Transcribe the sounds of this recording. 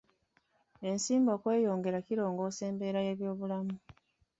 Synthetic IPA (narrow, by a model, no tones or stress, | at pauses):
e̞nsiːmbo̞ːkwe̞ːjo̞ːŋɡe̞ɾaciɾo̞ːŋɡo̞ːse̞ːmbe̞ːɾaje̞ːβjo̞ːβulamu